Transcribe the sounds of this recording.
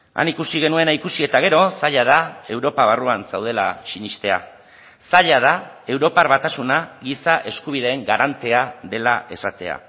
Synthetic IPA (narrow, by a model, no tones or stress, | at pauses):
a̰nikusiɣe̞nue̞naikusie̞t̪aɣ̞e̞ɾo̞saʎað̞ae̞wɾo̞paβ̞aruansawð̞e̞la̰t͡ʃinist̪e̞a̰ | saʎað̞ae̞wɾo̞parβat̪asunaɣisaʔe̞skuβiðe̞ːŋɡaɾant̪e̞aðe̞laʔe̞sat̪e̞̰a̰